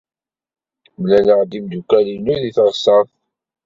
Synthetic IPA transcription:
mlænəʁd̪imd̪ukælinuðiθəɾˤsɑθ

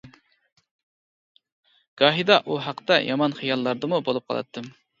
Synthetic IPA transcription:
ɡ̥ɑːɦid̪ɑʔuɦɑqt̪ɑjɑmɑnχijɑlˠːɑɾd̪ɨmubolˠup̚qʰɑlˠɑ̰t̪ːɨm

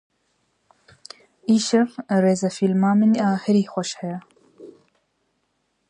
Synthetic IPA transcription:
iːʃɐvreːzɐfilmaːmɨnaːhɪɾiːxʷɔʃhɛja

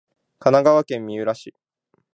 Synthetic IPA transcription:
kanaɡaβakẽ̞mːʲiɯ̟ɾaɕiː

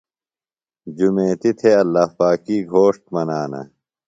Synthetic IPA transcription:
d͡ʑumẽːt̪it̪ʰeɐlːahpaːkiːɡʱoːʂʈ̚mɐnaːnɐ̰

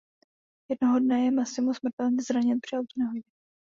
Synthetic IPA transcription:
jɛdnoɦodnɛjɛmasɪmusmr̩t̪ɛlnizɾaɲɛnpr̝̥iutnɛɦoɟɛ

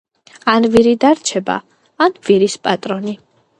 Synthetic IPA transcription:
anviɾid̪aɾt͡ʃʰɛba̰ | anviɾispʼat̪ʼɾɔni

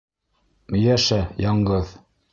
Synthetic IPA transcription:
mjæʃæjɑɴɢɤð

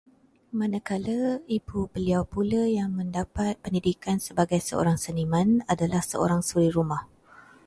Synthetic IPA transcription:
mãnakaləibubəliawpuləjaŋmə̃ndapat̪̚pəndidikansəbaɡajsəo̰ɾaŋsənimãnadalahsəo̰ɾaŋsuɾiɾumah

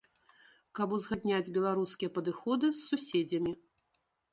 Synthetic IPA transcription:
kɐbuzɣad̪ʲnʲad͡zʲbʲɛlˠaɾuskʲijɛpɐd̪ɨxɔd̪ɨsːusʲed͡zʲɐmʲi

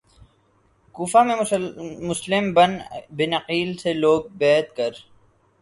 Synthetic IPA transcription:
kuːfamẽmʊslɪmbənbɪnɐqiːlseloːɡ̚bɛːt̪kəɾ

